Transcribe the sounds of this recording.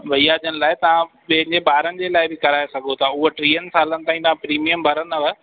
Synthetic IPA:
ʋɐijaːd͡ʑənɪ̆laːɪt̪ɐʋã | ɓɐ̃ɦɪ̃ɲd͡ʑeɓaːɾənɪ̆d͡ʑeːlaːɪbɪkɐɾaːesɐɡʱot̪ʰaːʊɦoʈɾiːənɪsaːlənɪt̪ãːĩt̪aãpɾiːmijəmbʱɐɾənɐʋə

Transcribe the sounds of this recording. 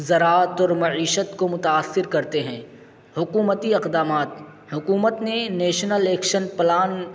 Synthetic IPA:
zɐɾaːt̪ɔːɾmɐʕiːʃət̪komʊt̪aːsːɪɾkɐɾt̪eɦɛ̃ː | hʊkuːmət̪iɪqd̪aːmaːt̪ | hʊkuːmət̪neneːʃnəleːkʃənplaːn

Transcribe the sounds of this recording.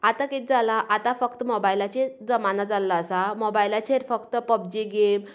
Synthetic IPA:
at̪akit̪̚d͡zalaʔat̪afəkt̪əmobajlat͡ɕed͡zəmanad͡zalːaəsamobajlat͡ɕʰeɾfəkt̪əpəb̚d͡ʑiɡem

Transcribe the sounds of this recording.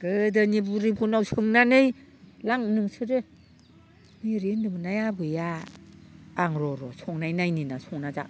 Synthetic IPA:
ɡ̥ɯdɯnibuɾibunawsɯŋnanɯjlaŋnɯŋsɯɾɯ | niɾindɯmɯnajabɯjaː | ŋɾɔɾɔsɔŋnajnajninasɔŋnazaʔ

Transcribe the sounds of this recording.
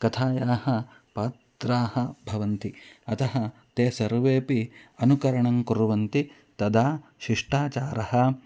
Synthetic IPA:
kɐt̪ʰaːjaːhɐ | paːt̪ɾaːhɐbʱɐʋɐnt̪iɐt̪ɐɦɐt̪eːsɐɾʋeːpiɐnukɐɾɐɳɐŋkuɾuʋɐnt̪i | t̪ɐd̪aːʃiʂʈaːt͡ʃaːɾɐhɐ̆

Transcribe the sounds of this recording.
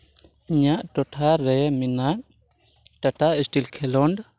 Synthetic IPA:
iɲaʔʈɔʈʰaɾɛminaʔ̚ | ʈaʈaisʈilkʰɛlɔɳɖ

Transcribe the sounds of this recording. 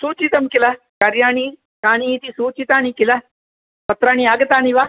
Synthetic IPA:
suːt͡ʃit̪ɐmkila | kɐɾjaːɳ̃i | kaːɳ̃iːt̪isuːt͡ʃit̪aːnikila | pɐt̪ɾaːɳ̃iaːɡɐt̪aːɳiʋaː

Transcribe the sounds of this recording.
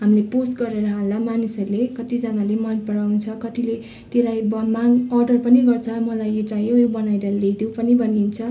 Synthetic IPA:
ɦamleposɡʌɾeɾʌɦãllamanisʌrlekʌt̪id͡zanalemʌnpʌɾawnt͡sʰʌkʌt̪ile | t̪elajbʌmaɡʌrɖʌrpʌniɡʌrt͡sʰʌmʌlajet͡sajojobʌnajɾʌled̪opʌnibʱʌnint͡sʰʌ

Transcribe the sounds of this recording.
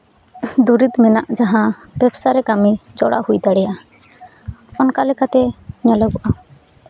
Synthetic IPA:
d̪uɾit̪mɛna̰ʔd͡ʒaɦã | bɛbsaɾɛkamid͡ʒɔɽa̰hujd̪aɽɛja | ɔnkalɛkat̪ɛɲalɛbɔʔa

